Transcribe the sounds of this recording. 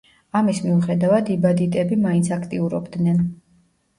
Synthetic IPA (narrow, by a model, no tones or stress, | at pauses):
amismiuχɛd̪avad̪ibad̪it̪ʼɛbimaint̪sʰakʰt̪ʼiuɾɔbd̪nɛn